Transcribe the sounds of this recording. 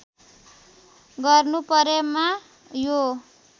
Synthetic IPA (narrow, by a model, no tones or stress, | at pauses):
ɡʌrnupʌɾema | jo